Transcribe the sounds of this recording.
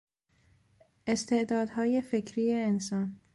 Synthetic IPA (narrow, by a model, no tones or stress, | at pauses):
ʔest̪ʰe̞ʔd̪ɒːd̪hɒːje̞fekʰɾiːjeːnsɒːn